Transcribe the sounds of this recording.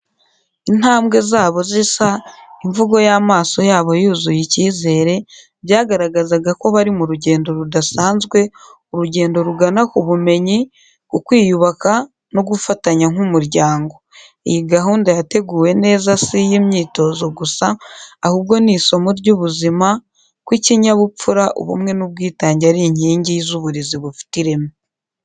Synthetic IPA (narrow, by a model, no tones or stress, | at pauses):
in̥haːmɡe̞zaːβo̞zisaiɱvuɡo̞jaːmaːso̞jaːβo̞juːzujiciːze̞ːɾe̞ | bjaːɡaɾaɡazaɡako̞βaɾimuɾuɟe̞ːndo̞ɾudasaːnzɡwe̞oɾuɟe̞ːndo̞ɾuɡanakuβume̞ɲi | kukwiːjuβaka | noɡufataɲaŋ̥umuɾɟaːŋɡo̞ | ḛjiɡaɦuːndajate̞ɡuːwe̞ne̞ːzasijimɲiːto̞ːzo̞ɡusaːhuːb̚ɡo̞niso̞muɾɟuβuzima | kwiciɲaβup͡fuɾaʔo̰βṵmŋe̞nuβ̚ɡiːtaːɲɟaɾiɲ̥iːɲɟijizuβuɾiziβufi̥tiɾe̞mu